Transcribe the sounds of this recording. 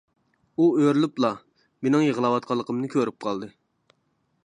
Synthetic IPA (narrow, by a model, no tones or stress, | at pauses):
uøɾlyplˠɑ | menɪŋjəʁəlˠɑwɑt̪̚qʰɑlˠːəqʰəmnɨkʲʰøɾyp̚qʰɑlˠd̪ɨ